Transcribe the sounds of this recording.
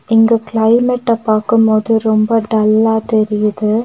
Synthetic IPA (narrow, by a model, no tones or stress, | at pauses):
ɪŋɡɐklɐɪmɛʈːɐpaːkɯmpoːðɯɾɔmbɐɖɐlːaːt̪ɛɾɪjɐðɯ